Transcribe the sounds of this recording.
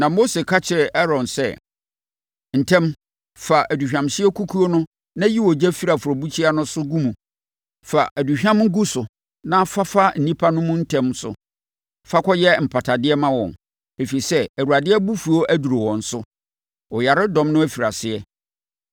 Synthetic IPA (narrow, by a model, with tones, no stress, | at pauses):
nã˨mo˦se˨kʰa˦t͡ɕʰɪ˨ɛ˨ʔɛ˦ɾɔ̃˨nsɛ˦˨ | n̩˨tʰɛ̃˦m | fa˨ʔæ˨du˨ɕᶣã˨mɕɪ˦ɛ˦kʰu˦kʰu˦o˦nʊ̃˦ | nã˦ji˦wɔ˨d͡ʑɛ˦fi˦ɾa˨fu˨ɾɔ˨bu˦t͡ɕʰi˦a˦nʊ̃˦sʊ˦ɡũ˦mũ˨ | fa˨ʔæ˨du˨ɕᶣã˦mŋ̩˦ɡu˦sʊ˨ | nã˦fa˦fa˦n̩˨nĩ˦pʰa˦nʊ̃˦mʊ̃˦n̩˦tʰɛ̃˦msʊ̰˨ | fa˦kʷʰɔ˦jɛ˦m̩˨pʰa˨tʰa˨dɪ˦ɛ˦mã˦wɔ̰̃˨n | e˨fi˨i˨sɛ˦æ˨ɾu˨a˨dɪ˦ɛ˦bu˦fu˨o˦ʔæ˦du˨ɾo˨wɔ̃˨n̩˨˦sʊ˦ | ɔ˨ja˨ɾɪ˦dɔ̃˦mnʊ̃˦æ˦fi˨ɾa˨sɪ˨ɛ˦